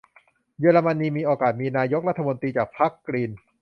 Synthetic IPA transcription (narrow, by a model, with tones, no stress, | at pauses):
jɯː˧ɾa˧ma˧nːiː˧miː˧ʔoː˧kaː˨˩t̪̚miː˧naː˧jo˦˥k̚ɾa˦˥t̪ʰːa˧mo˧nt̪ɾiː˧t͡ɕaː˨˩k̚pʰa˦˥kːɾiː˧n